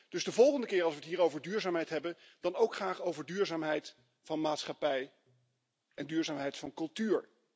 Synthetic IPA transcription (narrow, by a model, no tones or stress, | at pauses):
d̥ɵzdəvɔlˠχəndəkɪːɹɑlˠsʋətɦiːɹowvəɹdyːɹzaːmɦɛjtɦɛbən | d̥ɑnowkχaːχowvəɹdyːɹzaːmɦɛjt | fɑnmaːtsχɑpɛj | ɛndyːɹzaːmɦɛjtfɑnkɵlˠtyːɹ